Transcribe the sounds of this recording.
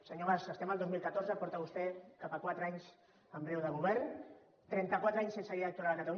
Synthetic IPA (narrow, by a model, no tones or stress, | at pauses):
səɲoβasəst̪ɛmalˠd̪ozmilˠkat̪oɾzəpɔɾt̪aβust̪ɛkapəkwat̪ɾaɲs | əmbɾɛwðəɣuβɛɾn | t̪ɾɛnt̪əkwat̪ɾaɲsensəɾiaək̚t̪uɾaləkat̪alu